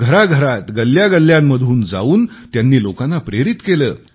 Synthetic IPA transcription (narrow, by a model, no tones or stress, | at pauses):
ɡʱəɾaɡʱəɾat̪ɡəlːjaɡəlːjamːəd̪ʱuːnd͡za̰uːnt̪janːiːlokanːapɾeɾit̪keləː